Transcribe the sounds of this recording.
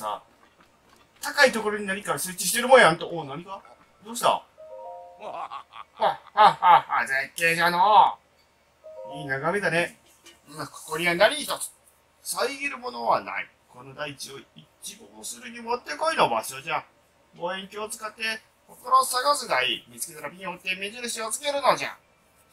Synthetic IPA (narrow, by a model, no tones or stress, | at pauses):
sa̰ | t̪akait̪o̞ko̞ɾo̞ɲ̟inaɲ̟ikaɾasɨːt͡ɕiɕ̬i̥t̪e̞ɾɯ̟mõjãnt̪oʔonaɲiɡa | d̪o̞ːɕi̥t̪a̰ | ahahahazekeːʑano | iːnaɡamed̪ane | ako̥koɾʲianaɾʲiit̪at͡sɨ̥ | saiɡʲiɾɯ̟mo̞no̞βana̰ḭ | ko̞nod̪ait͡ɕioit͡ɕiboosɨɾɯ̟ɲ̟imo̞t̪ːe̞ko̞inoba̰ɕo̞d͡ʑã | boːẽ̞ŋkʲiot͡sɨ̥kat̪ːe̞ | kokoɾo̞saɡasɨɡ̪aimʲit͡sɨ̥ke̞t̪aɾapʲiɲihot̪ːe̞mezɨɾɯ̟ɕiot͡sɨ̥ke̞ɾɯ̟nod͡ʑã̰